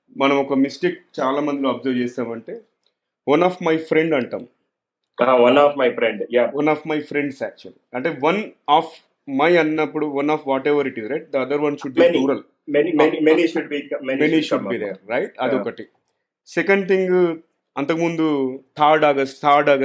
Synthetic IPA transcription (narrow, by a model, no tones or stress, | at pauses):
mɐnɐ̃mɔkɐmisʈik̚t͡ʃaːlaːmɐnd̪iloɐpzɐɾd͡ʒɛːsaːmɐɳʈeː | ʋɐnaːfmɐjpʰɾeɳɖɐɳʈa̰ːm | aʋɐnafmɐjfɾeɳɖjaʋɐnaːfmɐjpʰɾeɳɖsæːk̚t͡ʃuɐliɐɳʈeːʋɐnaːf | mɐjɐnːɐpːuɽuʋɐnaːfʰʋaːʈɛʋɐɾiʈizɾɐjʈ̚d̪ɐɐd̪ɐɾʋɐnʃuɖ̚binuːɾɐl | mɛnimnimeniʃuɖ̚bikɐmɛnimeniʃuɖ̚biːd̪eɾːɐjʈɐd̪iɔkɐʈi | sekɐɳɖ̚t̪ʰiŋɡ | ɐnt̪ɐkɐmund̪ut̪ʰaːɾɖaːɡɐst̪ʰaːɾɖaːɡa